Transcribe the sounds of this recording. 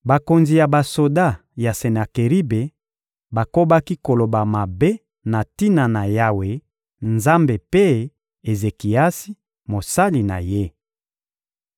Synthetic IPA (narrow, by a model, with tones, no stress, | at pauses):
ba˨ko˨nzi˨ja˨ba˨so˨da˦˨ | ja˨se˨na˨ke˨ʁi˦be˨ | ba˨ko˦ba˦ki˦ko˨lo˨ba˨ma˨be˦ | na˨ti˦na˨na˨ja˦we˨ | nza˦mbe˨pe˦ | e˨ze˨ki˨a˦si˦ | mo˨sa˦li˨na̰˨je˦